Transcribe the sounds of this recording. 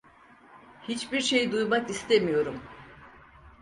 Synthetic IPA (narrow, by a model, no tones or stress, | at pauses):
hit͡ʃbiɾʃe̞jd̪ujmakist̪ʰemijo̞ɾum